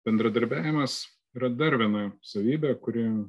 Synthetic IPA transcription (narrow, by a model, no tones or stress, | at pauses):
bʲɛnd̪ɾɐd̪ɐɾʲbʲæːʋʲɪmɐs | iːɾɐd̪ɐɾʋʲiɛnɐsɐʋʲiːbʲɛkʊɾʲɪɛ